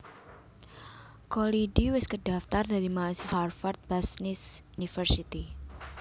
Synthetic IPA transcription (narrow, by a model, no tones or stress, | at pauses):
kolidiwɪskədaft̪ardaɾimasisarfart̪̚b̥asnisunifərsit̪i